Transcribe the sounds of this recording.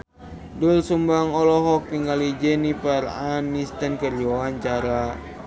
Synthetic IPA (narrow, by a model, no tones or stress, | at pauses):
dulsumbaŋɔlɔɦɔk̚t̪iŋɡalid͡ʒɛnipaɾanːist̪ankərd͡ʒɔaɲt͡ʃaɾa